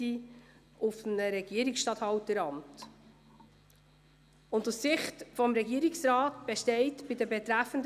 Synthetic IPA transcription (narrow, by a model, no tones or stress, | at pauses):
i | ʊfnəɾɛɡ̥iəɾiksʃtɑthɑwtəɾɑmt | ʊndussɪχtfɔmɾɛɡiəɾiksɾɑːtb̥ɛʃtɛɪtb̥ɪdəbɛtɾæfənd